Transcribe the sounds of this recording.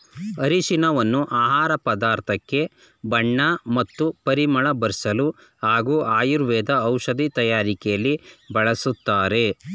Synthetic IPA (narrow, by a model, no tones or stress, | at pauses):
ɐɾiʃinɐʋɐnːuʔaːɦaːɾɐpɐd̪aːɾt̪ʰɐkːe̞ | bɐɳːɐmɐt̪ːupɐɾimɐɭɐbɐɾsɐlu | haːɡuːʔaːjuɾʋɛːd̪ɐːwʂɐd̪ʱit̪ɐjaːɾikɛjɐlːibɐɭɐsut̪ːaːɾe̞